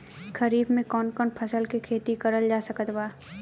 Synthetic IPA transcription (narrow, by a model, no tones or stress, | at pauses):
kəɾiːbmẽkɔːnkɔːnpʰɐsəlkekʰeːt̪ikɐɾəld͡ʒaːsəkət̪waː